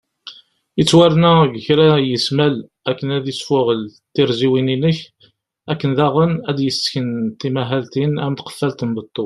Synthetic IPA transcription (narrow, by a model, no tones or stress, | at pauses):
ət͡sːwæɾnæɡəçɾæjəsmæl | ækːənæðəsfʊʁəlt̪ːiɾziwininəç | ækːənðæʁənæd̪jəsçənt̪imæɦælt̪inæmt̪qə̥fːælt̪əmbət̪ˤːo